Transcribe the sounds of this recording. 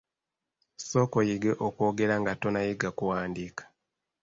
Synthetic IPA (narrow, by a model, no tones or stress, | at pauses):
so̞ːkojiɡe̞ʔokwo̞ːɡe̞ɾaŋɡato̞najiɡakuwaːndikḁ